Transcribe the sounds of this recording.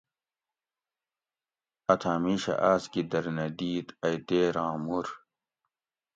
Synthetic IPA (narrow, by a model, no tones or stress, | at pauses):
ɐt̪ʰaːmiːɕɐ̰ʔaːskid̪ɐɾnɐd̪iːt̪ɐjd̪eːɾãːmuɾ